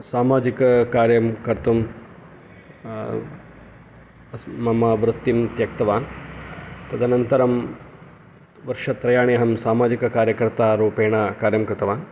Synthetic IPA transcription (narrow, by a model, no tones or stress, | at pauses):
saːmaːd͡ʒikɐkaːɾjɐmkɐɾt̪um | ɐsmɐmɐʋɾɨt̪ːimt̪jɐkt̪ɐʋaːn | t̪ɐd̪ʱɐnɐnt̪ɐɾɐm | ʋɐɾʂɐt̪ɾɐjaːɳijɐɦɐmsaːmaːd͡ʒikɐkaːɾjɐkɐɾt̪aːɾuːpeːɳɐkaːɾjɐmkɾɪt̪ɐʋaːn